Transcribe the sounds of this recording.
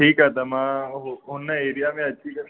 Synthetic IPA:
ʈiːkat̪amãɦoɦonːaeːɾijamẽɐtːʃʰikɐɾ

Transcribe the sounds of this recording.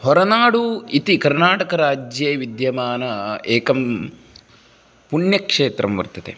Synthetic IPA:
hɔɾɐnaːɽuit̪ikɐɾnaːʈɐkɐɾaːd͡ʒjeːʋid̪jɐmaːnɐeːkɐm | puɳjɐkʂeːt̪ɾɐmʋɐ̰ɾt̪ːɐt̪ḛ

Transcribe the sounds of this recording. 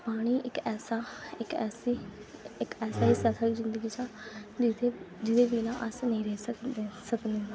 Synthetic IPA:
paːɽ̃iːʔɪkɛːsaːɪkɛːsiɪkɛːsaːiːsɛːt̪ʰaːizɪ̃nd̪əɡiːsãːd͡ʒɪt̪ʰeː | d͡ʒɪd̪eːbiːnãːʔəsnəĩːɾɛsək̪ːsəkd̪eːa

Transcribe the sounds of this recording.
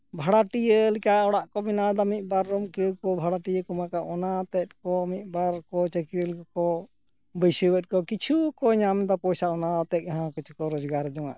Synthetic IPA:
bʱaɽaʈijəlikaɔɽaʔkɔminad̪amit̪̚ˀbaɾːɔmkəkɔbʱaɽaʈijəkumakaʔɔnat̪ɛt̪̚kɔmit̪̚ˀbaɾkɔt͡ʃəkɾəlkɔkɔ | bəjsəbɛt̪̚ˀkɔkit͡ʃʰukɔɲamd̪ɔpɔjsaɔnat̪ɛk̚aɦãkɔt͡ʃʰukɔɾɔd͡ʒɡaɾɛd͡ʒɔŋa̰ʔ

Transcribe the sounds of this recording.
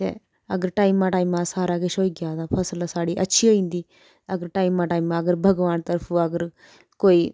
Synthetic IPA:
ḛ | ɐɡəɾʈaːjmːaʈaːimaːsaːɾaːɡeʃoːiɡjaːd̪apʰɐslasaːɽiʔɐ̰tːʃʰioːĩnd̪iː | ɐɡəɾʈaːimːaːʈaːimaɐɡəɾbʱɐɡʋaːnt̪ɐɾpʰuɐɡəɾ | koːi

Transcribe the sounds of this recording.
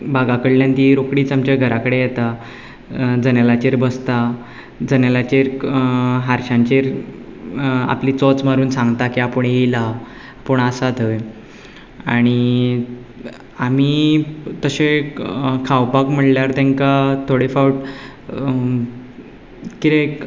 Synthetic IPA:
bʱaɡakəɽljãnt̪iɾokɽiːt͡samt͡ɕaɡʱəɾakəɽejɛt̪a | d͡zənjalat͡ɕeɾbəst̪a | d͡zənjalat͡ɕeɾ | ɦaɾɕãɲt͡ɕeɾ | a̰pliːt͡sɔt͡smaɾuːnsãŋɡt̪akiapəɳejla | pəɳasat̪əj | aɽ̃i | amiːt̪əɕe | kʰawpakm̤əɳljaɾt̪ɛ̃ŋkat̪ʰoɽifawʈ̚ | kit̪e

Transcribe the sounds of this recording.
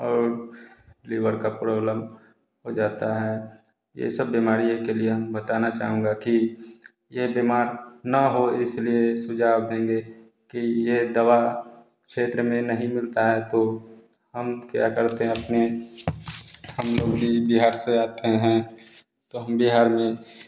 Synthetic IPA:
ɔːɾ | liːʋəɾkapɾoːbləm | ɦod͡ʒaːt̪aɦɛ | jḛsəbːimaːɾijekeliebət̪aːnat͡ʃa̰ːɦũːŋɡaki | jebimaːɾnɐɦoɪsliesʊd͡ʒʱaːwd̪ẽːŋɡe | kijed̪ɐwa | kʃeːt̪ɾəmẽnəɦĩmɪlt̪aɦɛt̪o | həmkja̰kəɾt̪eɦɛ̃ɐpne | həmloːɡbʱibɪɦaːɾseaːt̪ẽɦɛ̃ | t̪oɦəmbɪɦaːɾmẽ

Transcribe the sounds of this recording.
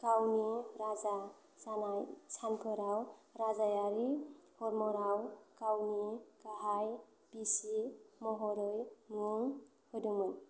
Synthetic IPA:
kawniɾaza | sanajsanpʰɯɾawɾazajaɾihɔɾmɔɾawkawnikaɦaj | pisimɔɦɔɾɯjmuŋ | hɯduŋmɯn

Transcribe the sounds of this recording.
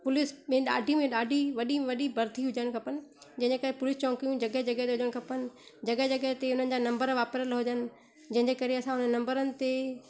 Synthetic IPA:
pʊlɪsmẽɗa̰ːɖʱimẽɗaːɖʱiʋɐɗiʋɐɗibʱɐɾd̪ʰʱiɦʊd͡ʑəɽ̃kʰɐpənɪ̆d͡ʑɐ̃ɦɪ̃ɲd͡ʑeːkɐɾepʊlɪst͡ɕɔ̃ːkijũd͡ʑɐɡəɦd͡ʑɐɡəɦet̪eɦʊd͡ʑəɽ̃kʰɐpənɪ̆ | d͡ʑɐɡəɦd͡ʑɐɡəɦt̪eʊn̤ənɪ̆d͡ʑaːnɐ̃mbəɾʋaːpɾəlɦʊd͡ʑənɪ̆ | d͡ʑɐ̃ɦɪ̃ɲd͡ʑeːkɐɾeɐsãɦʊnənɐ̃mbəɾənɪ̆t̪e

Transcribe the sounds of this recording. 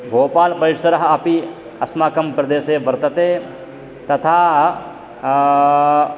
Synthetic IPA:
bʱoːpaːlpɐɾiʈsɐɾɐɦɐɐpi | ɐsmaːkɐmpɾɐd̪eːseːʋɐɾt̪ɐt̪eː | t̪ɐt̪ʰaː

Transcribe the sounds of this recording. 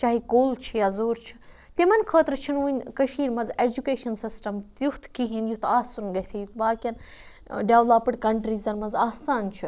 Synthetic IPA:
t͡ʃaːɦikoːlt͡ʃʰijaːzoːɾt͡ʃʰi̥ | t̪imɐnkʰəːt̪ɾɨt͡ʃʰinʋuːnʲkɐʃiːɾmɐzed͡ʒukeːʃɐnsisʈɐmt̪juht̪ʰkiɦĩnjut̪ʰaːsunɡɐsʲejut̪baːkʲjɐn | ɖʲjaːʋlaːpɨɽʲkɐɳʈɾiːzɐɾmɐnzaːsaːnt͡ʃʰɨ

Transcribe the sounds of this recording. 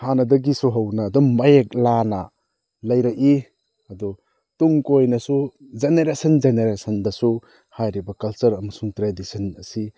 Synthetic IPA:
hanɐdɐɡisuɦɐwnɐːdɔmbajek̚lanɐ | lɐjɾɐki | ɐdu | tuŋkojnɐsu | d͡ʒeneɾesɐnd͡ʒeneɾesɐndɐsu | hajɾibɐkɐlt͡ʃɐɾɐmɐsuŋtɾedisɐnɐsi

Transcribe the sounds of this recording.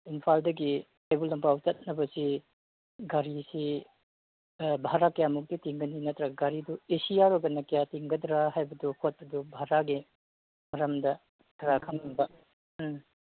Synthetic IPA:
inpʰaldɐɡi | ajbulɐmpawt͡ʃɐt̚nɐbɐsi | ɡaɾisi | bʱaɾakɐjamuk̚titiŋɡɐninɐtɾɐɡaɾiduesijaɾoɡɐnɐkɐjatiŋɡɐdɾaɦajbɐduhot̚pɐdubʱaɾaɡi | mɐɾɐmdɐ | kʰɐɾakʰɐmlɐŋbɐ

